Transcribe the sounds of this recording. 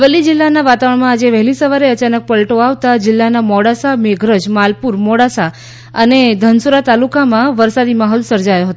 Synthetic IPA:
ʋəlːid͡ʒɪlːanaʋat̪aʋəɳmãːd͡ʒeʋɛɦlisəʋaɾeət͡ʃanək̚pəlʈoaʋt̪ad͡ʒɪlːanamɔɽasameɡʱɾəd͡ʒmalpuɾmɔɽasa | əned̪ʱənsuɾat̪alukamãʋəɾsad̪imaɦɔlsəɾd͡ʒajoɦət̪o

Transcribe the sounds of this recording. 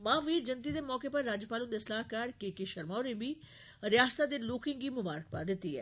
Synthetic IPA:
mãːʋiːd͡ʒənt̪iːd̪eːmɔːkeːpəɾːaːd͡ʒpaːlʊŋd̪esəlaːɦkaːɾkeːkeʃəɾmaːoɾẽːbiː | ɾɪjaːst̪aːd̪eːloːkɪ̃ŋɡiːmʊbaːɾək̚paːd̪ɪt̪ːiːɛ̰ː

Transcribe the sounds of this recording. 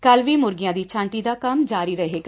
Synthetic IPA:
kəlʋiːmʊɾɡɪjãːd̪iːt͡ʃʰãːɳʈiːd̪aːkəmd͡ʒaːɾiːɾəɦeːɡa

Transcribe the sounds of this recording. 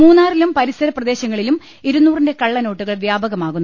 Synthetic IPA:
muːnːaːrilumpɐɾisɐɾɐprɐd̪e̞ːɕɐŋːɐɭilum | iɾunːuːrinde̞kɐɭːɐno̞ːʈːuɣɐɭʋjaːbɐɣɐmaːɣunːu

